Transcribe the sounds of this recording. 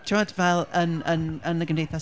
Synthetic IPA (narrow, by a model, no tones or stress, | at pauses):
tʰɪwadvɛlˠənənənəɡəmndejθas